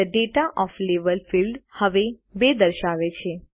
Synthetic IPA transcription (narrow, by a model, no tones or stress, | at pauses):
əɖeʈaʔɔfleʋəlfilɖhəʋe | bed̪əɾʃaʋet͡ʃʰe